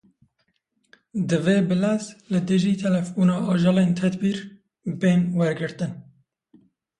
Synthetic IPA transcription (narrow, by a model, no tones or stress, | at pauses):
d̪ɨveːbɨlɛzlɨd̪ɨʒiːt̪ʰɛlɛfbuːnɑːɑːʒɑːleːnt̪ʰɛd̪biːɾ | beːnwɛɾɡɨɾt̪ɨn